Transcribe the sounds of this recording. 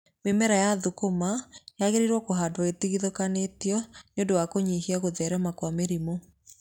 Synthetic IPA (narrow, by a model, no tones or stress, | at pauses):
memɛɾajaðokomajaɣeɾiɾwɔkoɦadwaetiɣiðokanetiɔɲondowakoɲihiaɣoðɛɾɛmakwameɾimo